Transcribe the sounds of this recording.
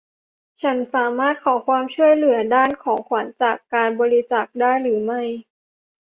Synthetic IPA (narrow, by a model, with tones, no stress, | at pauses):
t͡ɕʰa˦˥nsaː˩˦maː˥˩t̪̚kʰɔː˩˦kʰwaː˧mt͡ɕʰu˥˩əjlɯ˩˦ɐdaː˥˩nkʰɔː˩˦ŋkʰwa˩˦nt͡ɕaː˨˩kːaː˧nbɔː˧ɾi˧˥t͡ɕaː˨˩k̚daː˥˩jɾɯː˩˦ma˥˩j